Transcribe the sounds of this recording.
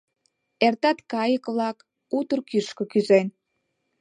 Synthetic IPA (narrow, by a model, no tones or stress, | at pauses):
ert̪ɑt̪kɑjəkβlɑk | ut̪ərkyʃkə̆kyzen